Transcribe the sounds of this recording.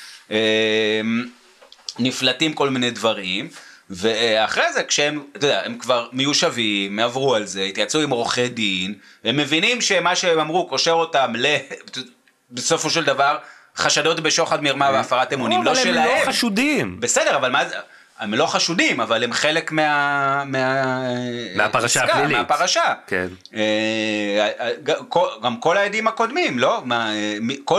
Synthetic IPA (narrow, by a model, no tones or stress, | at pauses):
em | niflatimko̞lmine̞dvaʁimve̞aχʁezekʃeemt̪od̪eaemkvaʁmejuʃavimːeavʁualze̞it̪jat͡suimʁo̞χedin | emːe̞vinimʃemaʃeemamʁuko̞ʃe̞ʁo̞tamle | besofoʃeld̪avaʁ | χaʃado̞tbe̞ʃo̞χadmiʁmaveafaʁatemunimloʃelaeaʃudimbese̞deʁavalmaz | emlo̞χaʃudimavalemχe̞le̞kmeamea | a̰aaʃaɡaeapaʁaʃaken | e | aɡakoɡamko̞lajediimako̞dmimlo̞maemiko